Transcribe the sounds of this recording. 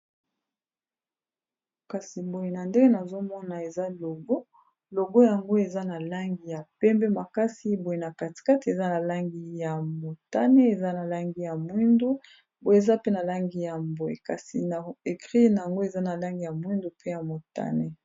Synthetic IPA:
ka˨si˨bo˨je˨na˨nde˦ɡe˦na˨zo˦mɔ˦na˨e˨za˦lo˨ɡo˦ | lo˨ɡo˦ja˨ŋɡo˦e˨za˦na˨la˦ŋɡi˨ja˨pɛ˦mbɛ˦ma˨ka˦si˦bo˨je˨na˨ka˨ti̥˨ka˦te˨za˦na˨la˦ŋɡi˦ja˨mo˨ta˦ne˦e˨za˦na˨la˦ŋɡi˦ja˨mwi˦ndu˦ | bo˨je˨e˨za˦pe˦na˨la˦ŋɡi˦ja˨mbo˨e˨ka˨si˨na˨e˨kʁi˦na˨ja˨ŋɡo˦e˨za˦na˨la˦ŋɡi˨ja˨mwi˦ndu˦pe˦ja˨mo˨ta̰˦ne˦

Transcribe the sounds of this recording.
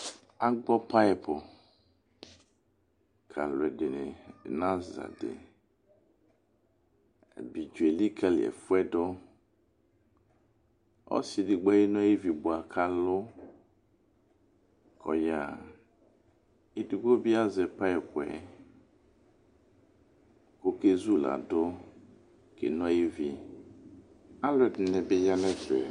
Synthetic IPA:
a˦ɡ͡bɔ˦pa˦˨pɔ˨ | kʰa̰˨lwɛ˨de˨nɛ˨nã˦za̰˨dḛ˨ | ɛ̰˨bi˨d͡ʒu˨ɛ˨li˦kʰa˨l̰ɛ̰˨fu˦ɛ˦dɔ˦ | ɔ̰˦si˨di˨ɡ͡bɔ˦ji˦nɔ̃˦je˦vi˨bu˨a˨kʰa˨lʊ˦ | kʰɔ̰˨ja˨ | i˦di˨ɡ͡bo˦bi˦a˦zɛ˨pa˦ɛ˨kʊ˨ɛ̰˨ | ko˦ke˦zu˦la̰˨dʊ˦ | kḛ˨nɔ̃˦ji˦vi˨ | a˦lɛ˨d̩˨nɛ˨be˦ja˦nɛ˦tɛ̰˨

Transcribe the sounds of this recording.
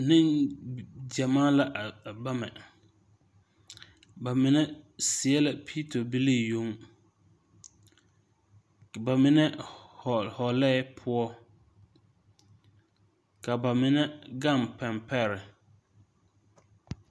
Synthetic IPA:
nɪ̃˦n | d͡ʒa˨maː˦la˦ʔba˦mɛ˨ | ba˨mɪ˦nɛ˦sɪ˨ɛ˦la˨pʰi˦tʰo˨bi˦li˦˨jo˦ŋ | ba˨mɪ˦nɛ˦hhɔ˨lɛː˦pʰʊ˦ɔ˦ | ka˨ba˨mɪ˦nɛ˦ɡa˦˨mpɛ˨mpʰɛ˦˨ɾɪ˨

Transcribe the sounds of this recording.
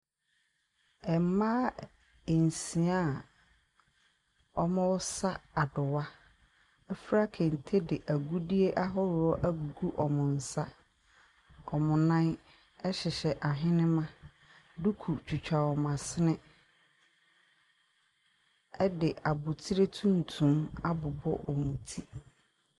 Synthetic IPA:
ɛ˨m˦mãː˦ | e˨n˨sĩ˨a˦˨ | ɔ˦mʊ̃˦wʊ˦sa˦a˨dʊ˨wa˦ | ɛ˦fɾa˦kʰe˨n̩˨tʰe˦dɪ˨ʔæ˨ɡu˦di˦e˦ʔa˦ɦɔ˦ɾɪ˨ɔ˦ʔæ˦ɡu˨ɡu˦ʔɔ˨mʊ̃˨n̩˨sa˦ | ɔ˨mʊ̃˨nã˦n | ɛ˦ɕɪ˨ɕɛ˨ʔa˨ɦɪ̃˦nɪ̃˦mã˦ | du˦kʰu˨t͡ɕᶣu˨t͡ɕᶣa˨ɔ˨mã˨sɪ˦nɪ̃˦ | ɛ˦dɪ˨ʔa˨bʊ˨tʰi˦ɾe˦tʰũ˦n̩˨tʰũ˨˦ma˦bʊ˨bɔ̰˦ʔɔ˨mũ˨tʰi˦

